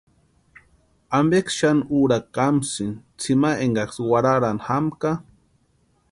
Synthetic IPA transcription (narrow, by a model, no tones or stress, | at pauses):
ambekʃanuɾakamsint͡sʰimaʔeŋɡakswaɾaɾanxamka